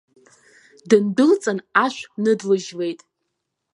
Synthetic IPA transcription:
dɨndɨlt͡sʼanaʃʷnɨdlɨʒle̞jtʼ

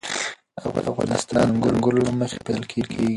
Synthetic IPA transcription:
a̰fɣɑafɣɑ̰nɪst̪ɑnɡʊlɡʊlolaməxe̥peəlkʰelkʰeɡi

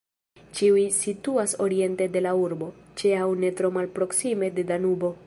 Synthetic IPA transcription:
t͡ʃiuisituaso̞ɾie̞nte̞de̞lauɾbo̞ | t͡ʃeawne̞tɾo̞malpɾo̞ksime̞de̞danubo̞

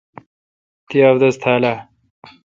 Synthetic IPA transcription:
t̪iawd̪ɐzt̪ʰaːla

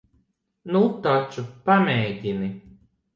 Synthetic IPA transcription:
nut̪at͡ʃupameːɟini

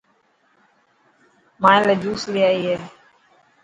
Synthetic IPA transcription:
mãːẽːləd͡ʒuːslɪjaːiːɦeː

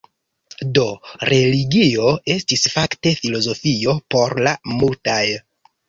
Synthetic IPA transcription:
do̞ɾʔe̞liɡio̞e̞stisfakte̞filo̞zo̞fio̞po̞ɾlamultaj

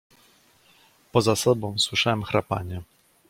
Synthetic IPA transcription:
pɔzasɔbɔ̃w̃swɘʂawɛmxɾapa̰ɲɛ

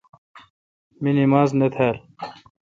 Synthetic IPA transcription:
minimaːznet̪ʰaːl

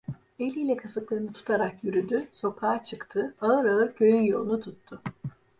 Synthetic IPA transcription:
e̞lʲilʲɛkʰasɯklˠɯɾɯnɯt̪ʰu̥t̪ʰaɾakjyɾyd̪yso̞kʰaːt͡ʃʰɯkt̪ʰɯaɯɾaɯɾcʰø̞jynjo̞lˠunut̪ʰut̪ʰːʊ

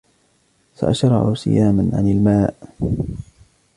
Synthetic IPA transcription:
sa̰ʔaʃɾˤɑ̰ʕʊsɪ̰jaːmanʕa̰nalmaːʔ

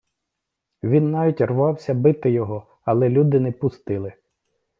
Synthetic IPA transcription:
ʋʲinːɑʋʲitʲrʋɑwsʲɐbɪt̪ɪjɔɦɔ | ɐlˠɛlʲud̪ɪnɛpʊst̪ɪlˠɪ

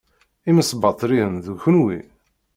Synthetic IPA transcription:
iməsˤbɑt̪ˤːɾiənðuçʊnwḭ

